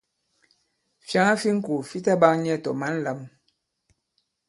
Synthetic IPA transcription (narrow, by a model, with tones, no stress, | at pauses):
fja˦ŋa˦fi˦ŋ̩˦ku˨fi˦ta˦ba˦ŋɲ˦ɛ˦˨tɔ̰˨ma˦n̩˦la˦m